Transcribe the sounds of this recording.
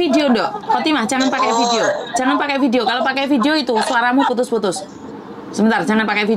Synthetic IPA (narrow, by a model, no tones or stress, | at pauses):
ideondɔʔfɔt̪imahd͡ʒaŋanpakɛjfideo̥d͡ʒ̥aŋanpakɛjfideokalopakɛjfideoit̪usuaɾamuput̪̬ʊsput̪ʊsː | əmbənt̪ard͡ʒaŋanpakɛjfi